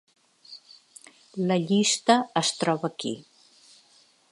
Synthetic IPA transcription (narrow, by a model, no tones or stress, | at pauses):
ləʎist̪əəst̪ɾɔβəkḭ